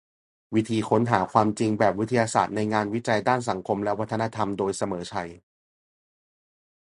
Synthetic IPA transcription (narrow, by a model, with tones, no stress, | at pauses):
wi˦˥t̪ʰiː˧kʰo˦˥nɦaː˩˦kʰwaː˧mt͡ɕi˧ŋbɛː˨˩p̚wi˦˥t̪ʰːa˧jaː˧sa̰ː˨˩t̪̚na˧jŋaː˧nwi˦˥t͡ɕa˧jdaː˥˩ns̬a˩˦ŋkʰo˧mlɛ˦˥wa˥t̪ʰːa˧na˦˧˥t̪ʰa˧mdoː˧jsa˧mɤː˩˦t͡ɕʰa˧j